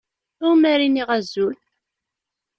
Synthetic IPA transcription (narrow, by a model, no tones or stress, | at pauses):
ʊmæɾiniʁæzːul